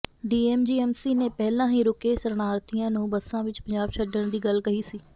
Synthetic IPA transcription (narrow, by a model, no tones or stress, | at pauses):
ɖiːɛːmd͡ʒiːɛːmsiːneːpɛːlãːɦiːɾʊkeːsəɾnaːɾt̪ijãːnũːbəsãːʋɪt͡ʃpəɲd͡ʒaːbʃəɖəɳd̪iːɡəlkəɦiːsiː